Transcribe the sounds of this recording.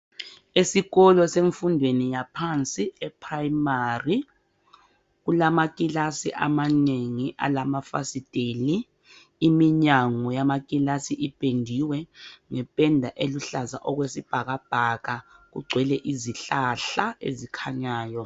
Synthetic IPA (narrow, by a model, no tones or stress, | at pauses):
esiɣɔlɔseɱfundʱwenijapʰant͡sʼiɛpʰrajimari | ɣulamakʼilasiʔa̰maneŋiʔa̰lamafa̰sid̥ʼeliː | miɲaŋɔjamakʼilasiʔib̥ʱʼendʱiwɛŋɛpʼɛndʱaʔeluɬaza̰ʔɔɣwesib̥ʱaɣab̥ʱaɣaɣṵɡ͡ǀʱwɛlɛʔiziɬaɬaḛzikʰaɲaːjɔ